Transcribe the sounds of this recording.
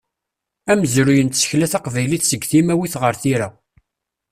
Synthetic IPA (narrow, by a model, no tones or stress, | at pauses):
æməzɾujənt̪sə̥çlæθæqvæjliθsəɡθimæwiθʁəɾθiɾæ